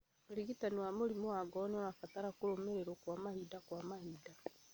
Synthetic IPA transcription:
mɾiɣitaniwamoɾimoaɡɔnɔɾafataɾakuɾomeɾeɾokwamahidakwamahida

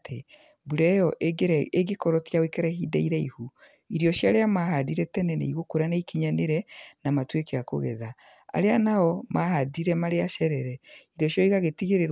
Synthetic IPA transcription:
tʰe | buɾɛjɔʔeɡekɔɾɔtjawekɛɾɛhidaiɾɛihu | iɾiɔʃjaɾeamaɦadiɾɛtɛnɛnɛ̰iɣokoɾanaikiɲaneɾɛnamatwekeako̰ɣɛ̰ða | a̰ɾeanaɔmahadiɾɛmaɾeaʃɛɾɛɾɛiɾijɔʃjɔiɣaɣetiɣeɾeɾ

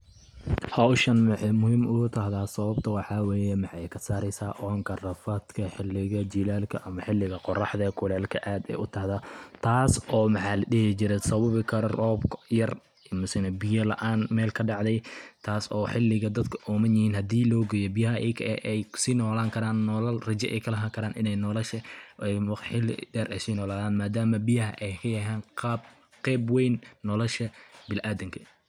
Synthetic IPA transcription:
hɐwʃɐnmɪħɛjmʊhɪmʊʊt̪ʰɐɦðaːsɐβɐb̚t̪ʰɐwɑħɑːwɛːjɛmɑħɑjkʰɐsaːɾɛjsaːʔɔɾɐŋkʰɐrɐfɐd̪kʰɐħɪlːɪɣɐd͡ʒiːlaːlkʰɐʔɐmɐħɪlːɪɣɐqɔrɑħd̪ɐkʰʊlɛːlkʰɐʔaːd̪ɛ̰ːjʔʊt̪ʰɐhðɐt̪ʰaːsɔːmɑħɑːlɐɖɪɦɪt͡ʃɪɾɛsɐβɐβɪkʰɐrɔːbkjɐr | mʊsɪnɐbɪjɐlɐ̰ʔaːnmɛːlkʰɐɖɑʕd̪ɛjt̪ʰaːsɔːħɪlːɪɣɐd̪ɐd̪kʰɐʔɔːmɐnjɪhiːnhɐd̪iːlɔːɡɛːjɔbɪjɐɦɐʔɛkʰɛjsiːnɔːlaːŋkʰɐɾaːnːɔlɐlrɐt͡ʃɛʔɛ̰jkʰɐlɐɦaːŋkʰɐɾaːnʔɪnɛjnɔlɐʃɐɛjħɪlːɪ̰dɛːɾʔɛ̰jsiːnɔːlaːðaːnmaːd̪aːmɐbɪjɐɦɐʔɛjkʰɐjɐɦaːnqːb | qɛːbwɛjnːɔlɔʃɐbɪlʔaːd̪ɐŋkʰɐ

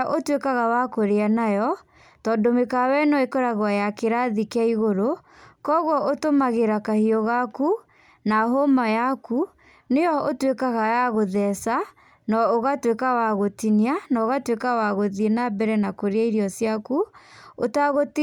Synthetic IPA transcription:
ʔotwekaɣawakoɾeanajɔ | tɔndomekawɛnɔekɔɾaɣwajakeɾaðikaiɣoɾo | kɔɣwɔʔotomaɣeɾakahiɔɣaku | naɦomajaku | nejɔotwekaɣajaɣoðɛsa | nɔoɣatwekawaɣotinianaoɣatwekawaɣoðienabɛɾɛnakoɾeaiɾiɔsjakuotaɣot

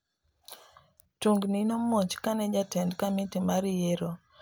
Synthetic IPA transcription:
tuŋɡninomot͡ʃkanɛd͡ʒatɛndkamɪtimaɾjeɾo

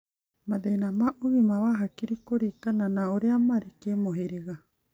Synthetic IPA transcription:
madejnamaʔuβimaβaɦakiɾikoɾikananaoɾeamaɾikemoɦeɾeɣa

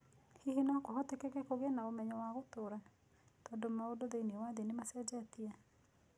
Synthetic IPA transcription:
hihinakohɔtekɛkɛkoɣenaomɛɲɔwaɣotoːɾa | tɔndomaodoðeiniewaðenemasɛd͡ʒatia

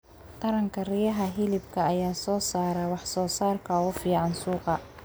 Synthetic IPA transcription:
t̪ʰɐɾɐŋkʰɐrɪjɐɦɐɦɪlɪbkʰɐɐjaːsɔːsaːɾɐwɑħsɔːsaːrkʰɐʊfiːʕɑnsuːqɑ

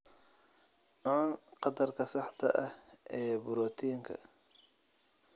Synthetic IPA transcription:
ʕʊnqɑd̪ɐrkʰɐsɑħt̪ʰɐʔɐhʔɛːbʊɾɔt̪ʰiːŋkʰɐ̰

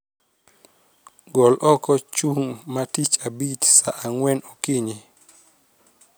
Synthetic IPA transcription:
ɡɔlʔɔkɔt͡ʃuŋmatit͡ʃabit͡ʃsaʔaŋwɛnɔkiɲi

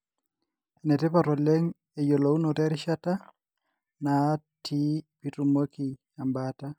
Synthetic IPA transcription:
ɛnɛtɛpaɾɔlɛŋ | ɛjolounɔtɛɾʃata | natʰipitumoki | ambata

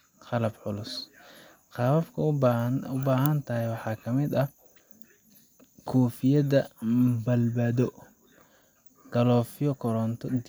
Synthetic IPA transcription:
qɑlɐbʕʊlʊs | qɑːwɐfkʰɐʊbaːɦɐnt̪ʰɐɦɛjwɑħɑːkʰɐmɪd̪ɐ | kʰɔːfɪjɐðɐbɐlbaːðɔ | ɡ̥ɐlɔːfɪjɔkʰɔɾɔnt̪ʰɔ

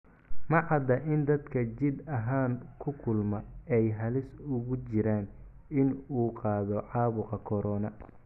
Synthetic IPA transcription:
mɑʕɑd̪ɐʔɪnd̪ɐd̪kʰɐt͡ʃɪd̪ɐɦaːŋkʰʊkʰʊlmɐɛjɦɐlɪsʊɣʊt͡ʃɪɾaːn | ɪnuːqɑːðɔʕɑːβʊqɑkʰɔɾɔːnɐ

